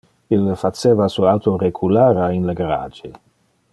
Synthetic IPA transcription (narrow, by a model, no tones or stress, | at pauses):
ilːəfat͡seːvasuawt̪oɾeɡʰulaːɾainlaɡaɾa̰ːd͡ʒe